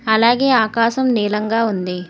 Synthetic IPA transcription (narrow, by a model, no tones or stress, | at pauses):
ɐlaːɡe̞ːaːkaːʃɐmniːlɐŋɡaːund̪i